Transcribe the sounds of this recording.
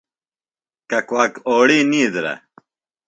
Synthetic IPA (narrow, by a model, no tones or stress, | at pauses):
kɐkwaːkoːɽiːniːd̪ɾɐ̰